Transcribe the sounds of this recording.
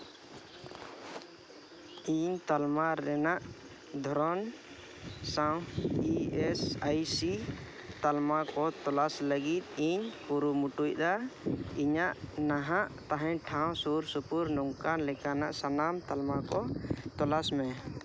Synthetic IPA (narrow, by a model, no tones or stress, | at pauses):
iɲt̪almaɾɛnaʔ | d̪ʱɔɾɔn | sawiɛsajsi | t̪almakɔt̪ɔlasləɡit̪̚ˀiɲpuɾumuʈuc̚d̪aiɲaʔnaɦaʔt̪aɦɛ̃ɲʈʰãw̃suɾsupuɾnɔŋkanlɛkanaʔsanamt̪almakɔt̪ɔlasmɛ